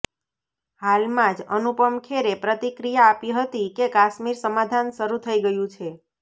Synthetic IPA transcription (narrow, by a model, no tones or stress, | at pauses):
halmãd͡ʒənupəmkʰeɾepɾət̪ikɾijaːpiɦət̪ikekaʃmiɾsəmad̪ʱanʃəɾut̪ʰəiɡəjũt͡ʃʰe